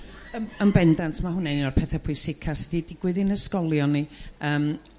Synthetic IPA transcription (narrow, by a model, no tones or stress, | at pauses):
əəmbɛndantʰmahʊnɛnɪnɔrpʰɛθɛpʰʊɨsɪkʰasdidɪɡwɨðɪnəskɔlˠjɔniəːm